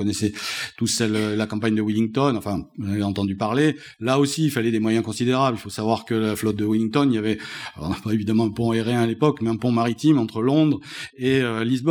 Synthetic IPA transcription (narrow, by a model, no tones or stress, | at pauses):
kɔnɛsɛt̪usɛləlakɑ̃paɲd̪əwiliŋɡt̪ɔnɑ̃fɛ̃navɛɑ̃t̪ɑ̃d̪ypaʁle | laosiːlfalɛd̪emwajɛ̃kɔ̃sid̪eʁablilfosavwaʁkəlaflɔt̪̚d̪əwilĩŋɡt̪ɔnijavɛaɔ̃napaevid̪amɑ̃pɔ̃ɛʁɛ̃alepɔkmɛɛ̃pɔ̃maʁit̪imɑ̃t̪χəlɔ̃d̪ʁeølizb